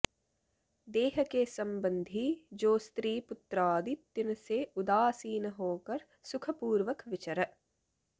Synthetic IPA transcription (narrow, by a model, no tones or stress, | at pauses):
d̪eːɦəkesɐ̃mbə̃nd̪ʱid͡ʒoːst̪ɾiːpʊt̪ɾaːd̪it̪ːɪnseʊd̪aːsiːnɦoːkɐɾ | sʊkʰəpuːɾʋəkʋɪt͡ʃəɾə